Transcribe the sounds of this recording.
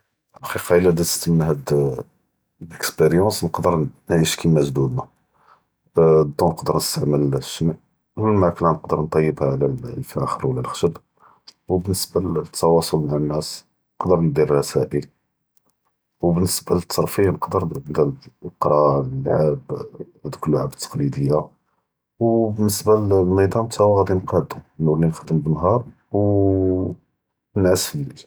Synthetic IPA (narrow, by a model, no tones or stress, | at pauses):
xiqɑəlːæd̪æt̪ə̥st̪əmnɦæd̪ | əkspeɾjɑ̃snəqd̪əɾnʕiʃkʰimːæʒd̪ud̪næ | d̪ːũnəqd̪əɾnəst̪aʕməlʃːəmʕ | wəlmæklænəqd̪əɾnt̪ˤɑjːəbhæʕlælfʔæxəɾwəlːælxə̥ʃəb | wbənːəsbæt̪ʰːɑwɑsˤʊlmaʕanːæs | nəqd̪əɾnd̪irrɑsæʔəl | wbənːəsbalət̪ʰːɑɾˤfijnəqd̪əɾd̪iqɾˤɑəlːʕab | æd̪kəlːuʕa̰bət̪ʰːɑ̥qlid̪əjːa | wbənːəsbanid̪ˤɑmt̪ʰæwɣæd̪inqɑd̪unːulinxd̪əmbənːɦɑɾˤ | w | nasl